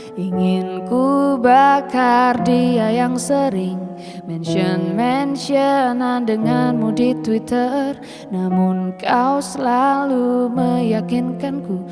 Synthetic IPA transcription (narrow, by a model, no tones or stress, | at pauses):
iŋɪnkubakardiajaŋsəɾɪŋ | mɛnʃiənmɛnʃiənandəŋanmudit̪wit̪ʰər | namʊnkʰawsəlaluməjakinkanku